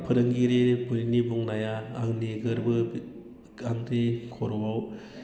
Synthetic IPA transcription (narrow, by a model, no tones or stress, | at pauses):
pʰɯɾɯŋɡiɾebunnibuŋnajaːŋneɡɯɾbɯ | aŋɾekʰɔɾɔbaw